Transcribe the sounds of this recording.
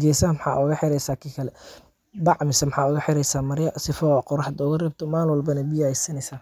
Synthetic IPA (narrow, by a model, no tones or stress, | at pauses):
ɡɛjsɐɐmħɑ̰ːʔʊɣɐħɪɾɛjsaːkʰiːkʰɐlɛ | bɑʕmɪsɐmħɑːʊɣɐħɪɾɛjsaːmɐɾɪjɐsɪfɔqɔɾɑħd̪ɔːɣɐrɛːb̚t̪ʰɔmaːlwɐlbɐnɐbijajsɐnɛjsaː